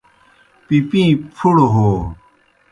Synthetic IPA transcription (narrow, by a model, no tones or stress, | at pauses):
pipĩpʰuɽoɦoː